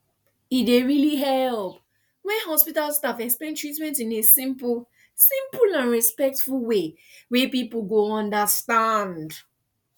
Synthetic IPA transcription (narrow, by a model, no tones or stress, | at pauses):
ideɹiliɦɛlp | wɛnɦɔspitalstafɛkspɛ̃ntʰɹitmɛ̃ntĩnesĩmp | sĩmplãnɹispɛk̚tfulwe | wepipul̩ɡoɔ̃ndəstãnd